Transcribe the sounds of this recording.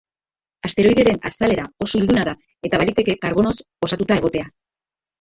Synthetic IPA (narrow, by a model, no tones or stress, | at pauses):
ast̪e̞ɾo̞ijðe̞ɾe̞na̰sale̞ɾao̞soild̪unaða | e̞t̪aβalit̪e̞ke̞kaɾβo̞no̞s | o̞sat̪ut̪ae̞ɣ̞o̞t̪e̞a